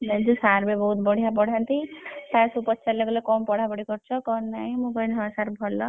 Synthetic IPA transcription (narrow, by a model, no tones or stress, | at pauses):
nand͡ʒusaɾbebɔɦut̪bɔɽ̤ʱijapɔɽ̤ant̪it̪asupɔtt͡ʃʰaleɡulekɔmpɔɽ̤apɔɽikɔɾt͡ʃʰɔkɔnːaĩmũɡɔjnaasaɾbʱɔlɔ